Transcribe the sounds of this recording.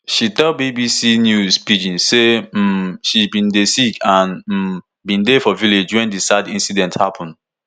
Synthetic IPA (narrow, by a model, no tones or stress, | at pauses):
ʃitɛlbibisinjuzpid͡ʒĩnsem̩ʃibĩndesikʰãn̩ | bĩndefɔviled͡ʒwɛ̃ndisadĩnsidɛ̃nthapʰɔ̃nd